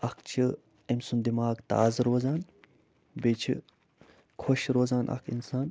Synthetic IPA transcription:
ɐkʰt͡ʃʰi | emsund̪imaːɡt̪a̰ːzɨɾoːzaːn | beːt͡ʃʰḭ | kʰoʃɾoːzaːnʔɐ̰kʰḭnsaːn

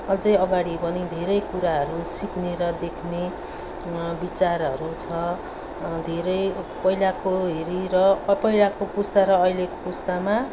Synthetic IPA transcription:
ʌd͡zʌjʌɡaɽibʌnid̪ʱeɾʌjkuɾaɦʌɾusikneɾʌd̪ekʰne | bit͡saɾɦʌɾut͡sʰʌ | d̪ʱeɾʌjpʌilakoɦeɾiɾʌpʌilakopust̪aɾʌːjlekopust̪ama

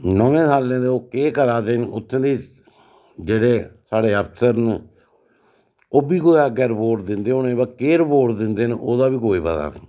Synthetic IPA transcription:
nəẽːsaːlːẽːd̪eːoːkeːkəɾaːd̪eːnʊt̪ʰːẽːd̪eː | d͡ʒeːɽeːsaːɽeːəpʰsəɾn | oːbiːkoːjaːɡɛːɾpoːʈd̪ɪnd̪eːoːnẽːbəkeːɾəpoːʈd̪ɪnd̪eːnoːd̪aːbiːkoːiːpət̪a̰ːnḛː

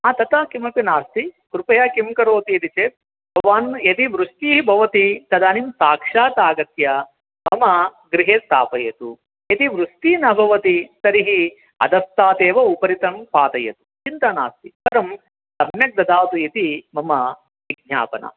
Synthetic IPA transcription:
aːt̪ɐt̪ɐkimɐpinaːst̪ikɾupɐjaːkimkɐɾoːt̪ijɐt̪it͡ʃeːt̪̚ | bʱɐʋaːnjɐt̪iʋɾust̪iːɦibʱɐʋɐt̪it̪ɐd̪aːnimsaːkʂaːt̪aːɡɐt̪jɐ | mɐmɐɡɾiɦeːst̪a̰ːpɐjɐt̪u | jɐt̪iʋɾust̪iːnɐbʱɐʋɐt̪it̪ɐɾiɦi | ɐ̰d̪ʱɐst̪aːt̪eːʋɐupɐɾit̪ɐmpaːt̪ɐjɐ̰t̪u̥t͡ʃint̪aːna̰ːst̪ipɐɾɐm | sɐmjɐk̚d̪ɐd̪aːt̪uit̪imɐmɐ | ʋiɡ̚ɲa̰ːpɐnʔɐ̰

